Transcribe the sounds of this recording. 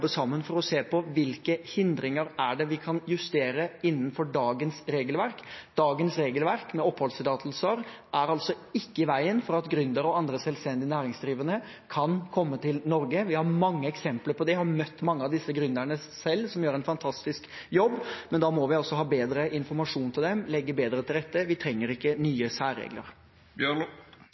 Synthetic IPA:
bːəsɑmːənfɔɾɔseːpʰɔʋɪlkəhɪnd̪ɾɪŋəɾæɖɛʋɪkʰɑnjʉst̪eːɾəɪnːənfɔɖɑːɡənsɾeːɡəlʋæɾkd̪̥ɑːɡənsɾeːɡəlʋæɾkmɛɔpʰːhɔlsəd̪ɑːt̪ʰl̩səɾ | ʔæɾɑlt̪sɔ | ɪkːəɪʋæɪənfɔɾɑt̪ɡɾʉnd̪əɾɔɑnd̪ɾəsɛlst̪ɛnd̪ɪnæːɾɪŋsd̪ɾiːʋənə | kʰɑnkʰɔmːət̪ʰɪlnɔɾɡəʋɪhɑɾmɑŋːəɛksɛmpləɾpʰɔd̪ɛhɑɾmœt̪ːmɑŋːəɑʋd̪ɪsːəɡɾʉnd̪æɳə | sɛlːsɔmjøːɾɛnfɑnt̪ʰɑst̪ɪskjɔbːmɛnd̪ɑmɔʋɪɔsːɔɦɑːbeːd̪ɾəʔɪnfɔɾmɑʂuːnt̪ʰɪld̪ɛmlɛɡːəbeːd̪ɾət̪ʰɪld̪ɛt̪ːəʋɪt̪ʰɾɛŋːəɾɪkːənyːəsæːɾḛːɡlə̰ɾ | bjø

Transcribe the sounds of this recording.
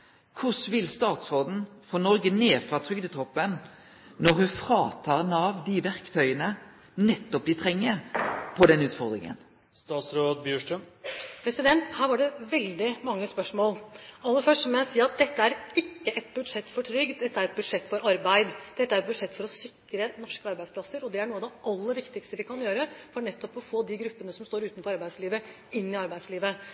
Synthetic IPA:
kʰʊsʋɪlst̪ɑːt̪sʁoːd̪n̩fɔːnɔɾɡəneːfʁɑːt̪ʰɾʏɡd̪ət̪ʰɔpːən | nɔɾhʉnfɾɑːt̪ʰɑːʁnɑːʋd̪ɪʋæʁkt̪ʰœʏənə | nɛt̪ːɔp̚d̪ɪt̪ʰʁɛŋːəpʰɔd̪ɛnʉːt̪fɔʁd̪ɾɪŋə̰n | st̪ɑːt̪sɾoːd̪bjʉːʂʈɾœm | pʰɾɛsɪd̪ɛnt̪hæːɾʋɑɖɛʋɛld̪ɪmɑŋːəspœʂmoːlɑlːəfœʂʈmɔjæɪsiːɑt̪̚d̪ɛt̪ːəæɾɪkːəʔɛt̪bʉd̪ʂɛt̪ːfɔʈʰɾʏɡ̪d̪ɛt̪ːəæɾɛt̪̚bʉd̪ʂɛt̪ːfɔɾɑɾbæɪd̪d̪̥ɛt̪ːəæɾɛt̪̚bʉd̪ʂɛt̪ːfɔɾɔsʏkɾənɔʂkəɑɾbæɪspʰlɑsəɾɔd̪ɛæɳuːɑd̪ɛʔɑlːəɾʋɪkt̪ɪkst̪əʋɪkɑnjøːɾəfɔɳɛt̪ːɔpɔfoːd̪ɪɡɾʉpːənəsɔmst̪oːɾʉːt̪nfɔɾɑɾbæɪsliːʋə | ɪnːɪɑɾbæɪsliːʋə

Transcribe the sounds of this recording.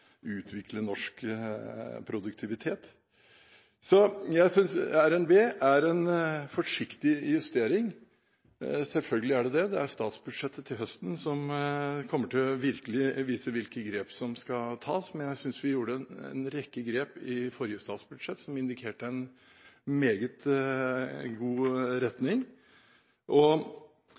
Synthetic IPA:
ʉːt̪ʰʋɪklənɔʂk | pʰɾʊd̪ʉk̚t̪ʰɪʋɪt̪ʰeːt̪ | sɔjæɪsʏnsæɾɛnbeːʔæɾɛnfɔʂɪkt̪ɪjʉst̪eːɾɪŋ | sɛlfœlɡəlɪæɖɛd̪ɛd̪ɛæɾst̪ɑːt̪sbʉd̪ʂɛt̪ːət̪ʰɪlɦœst̪n̩sɔmkʰɔmːəʈʰɪlɔʋɪɾkəlɪʋiːsəʋɪlkəɡɾeːpsɔmskɑt̪ʰɑːsmɛnjæɪsʏnsʋɪjuːɖənɛ̰nɾɛkːəɡɾeːpɪfɔɾjəst̪ɑ̰ːt̪sbʉd̪ʂɛt̪ːsɔmɪnd̪ɪkʰeːʈəɛn | meːɡət̪ | ɡuːɾɛt̪nɪŋ | ʔɔ

